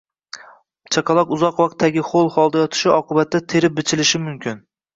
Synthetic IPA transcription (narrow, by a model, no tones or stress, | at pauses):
t͡ʃʰɑqʰɑlˠɒqʊzɒqwɑq̚t̪ʰːaɡʲɪχolˠχɒlˠd̪ajɒt̪ʰɪ̥ʃɪʔɒqɨbat̪ːat̪ʰe̞ɾɪp̚bɪt͡ʃʰɪlɪʃɪmʊmkʲʰɪn